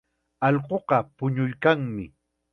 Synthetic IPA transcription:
ɑʎɢoqɑpʊɲʊjkaŋmɪ̰

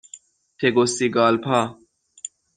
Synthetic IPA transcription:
t̪ʰeɡosiɡɑːlpʰa

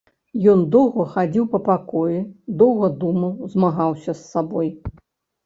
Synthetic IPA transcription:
jɔnd̪ɔwɣɐxad͡zʲiwpɐpakɔjud̪ɔwɣɐd̪umɐwzmaɣawsʲɐsːabɔj

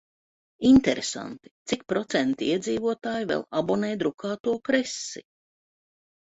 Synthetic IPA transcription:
int̪ɛɾesa̰nt̪i̥t̪sik̚pɾɔt̪sɛnt̪iiɛd̪ziːvuɔt̪aːjivɛ̰lˠabɔnɛːd̪ɾukaːt̪uɔkɾɛsːi

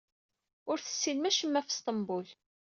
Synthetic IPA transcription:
ʊɾθə̥sːinmæʃəmːæfst̪ˤəmbʊl

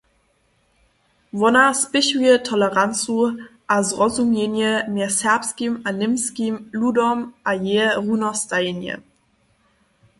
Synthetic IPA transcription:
vɔnaspɪʃwiətʰɔləʁant͡suʔazʁɔzumenjəmɛsɛɐpskimanɪmskimludɔmʔajeʁunɔstanjə̰

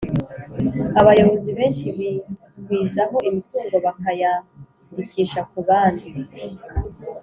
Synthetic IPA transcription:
aβajo̞βo̞ziβe̞ːnʃiβi | ɡwiːzaɦo̞ʔimituːŋɡo̞βakaja | ndikʰiːʃakuβaːndi

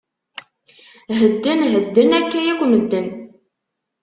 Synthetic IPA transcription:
ɦəd̪ːənɦəd̪ːənækːæjækʷməd̪ːən

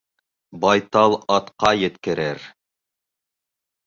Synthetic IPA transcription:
bɑjt̪ɑlˠɑt̪qɑjɘ̆t̪kɘ̆ɾɘɾ

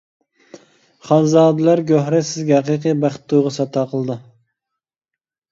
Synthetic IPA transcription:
χɑnzɑːd̪ɨlæɾɡʲøhɾɛsɪzɡʲɛhæqiːqibæχt̪ʰːuʁɑsɑt̪ʰɑːqʰəlˠɨd̪ɨ

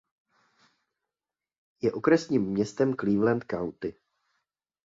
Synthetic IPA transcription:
jɛʔo̞kɾɛsɲiːmːɲɛst̪ɛmkliːvlɛnt̪̚kawt̪ɪ

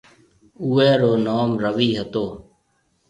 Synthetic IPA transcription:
uːeːɾoːnoːmɾəʋiːɦət̪oː

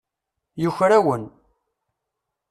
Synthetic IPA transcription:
jʊçɾæwən

